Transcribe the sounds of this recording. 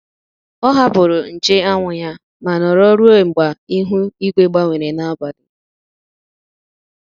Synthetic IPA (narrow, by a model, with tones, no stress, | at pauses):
ɔ˦ɦa˦bʊ˨ɾʊ˨n̩˨t͡ʃe˦a˦ŋʷʊ˨ɲa˦ | ma˨nɔ˨ɾɔ˦ɾu˦o˦˨ŋ͡m̩˨ɡ͡ba˨i˦ɦu˦i˦ɡʷe˦ɡ͡ba˦ŋʷe˨ɾe˨na˦ba˨dʊ˨